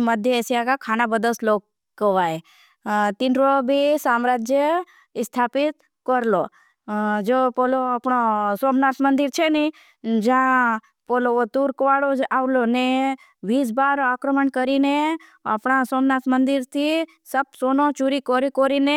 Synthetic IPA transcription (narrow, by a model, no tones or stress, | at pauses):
məd̪ʱjəesijakakʰanabəd̪əslok | kːəʋae | t̪inɾobʱisamɾad͡ʒjə | st̪ʰapɪt̪ | kɔɾlo | d͡ʒopoloapɳosomnat̪mənd̪iɾt͡ʃʰeni | d͡ʒã | poloot̪uɾkʋaɽod͡ʒaʋlone | ʋisbaɾakɾəməɳkəɾine | apɳasomnat̪mənd̪iɾt̪ʰi | səb̚sonot͡ʃuɾikoɾikoɾine